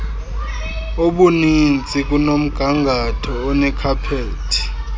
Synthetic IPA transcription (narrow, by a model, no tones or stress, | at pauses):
oɓunint͡sʼik̬ʼunom̩ɡ̥ʱaŋɡʱatʰɔːnɛkʰapʰeːtʰi̥